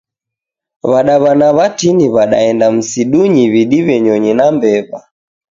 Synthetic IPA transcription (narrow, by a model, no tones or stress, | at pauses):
βaɗaβanaβatiniβaɗa̰ɛndam̩siɗuɲiβiɗiβɛɲɔɲinambɛβa